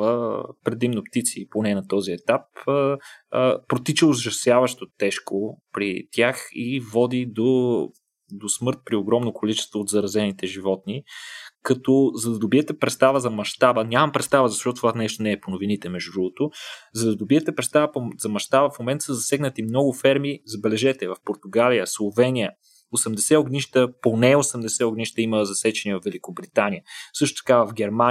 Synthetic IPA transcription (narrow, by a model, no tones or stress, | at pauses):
vəpɾɛd̪imnopt̪it̪siponɛnɐt̪ɔziɛt̪ap | pːɾot̪it͡ʃəozʒɐsjavəʃt̪ot̪ːɛʃkopɾit̪ʰʲjaxivɔd̪id̪o | d̪osmɤɾt̪̚pɾioɡɾɔmnokolit͡ʃɛ̥st̪voːtd̪zɐɾɐzɛnit̪ɛʒivɔt̪̚nikɐt̪ɔzɐd̪ɐd̪obiɛt̪ɛpɾɛt̪st̪avəzɐmɐʃt̪abənʲjamɐmpɾɛt̪st̪avəzɐʃt̪ɔt̪ot̪ːvanɛʃt̪onɛːponovinit̪ɛmɛʒd̪ud̪ɾuvˠot̪ozɐd̪ɐd̪obiɛt̪ɛpɾɛt̪st̪avəpozɐmɐʃt̪abəfmomɛnt̪ə̥səzɐsɛɡnət̪imnɔɡʊfɛɾmizɐbɛlɛʒɛt̪ɛvɐfpoɾt̪ʊɡaliəslˠovɛniə | osɐmd̪ɛsɛoɡniʃt̪əponɛosɛmd̪ɛsɛoɡniʃt̪əiməzɐsɛt͡ʃɛnivɐfvɛlikobɾit̪anijəsɤʃt̪o̥t̪ɐ̥kavɐvɡɛɾma